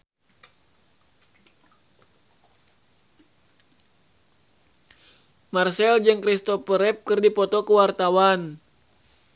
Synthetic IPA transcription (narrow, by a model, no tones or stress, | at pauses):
marsɛld͡ʒɨŋkɾist̪ɔpəɾɛp̚kɨrdipɔt̪ɔkuwart̪awan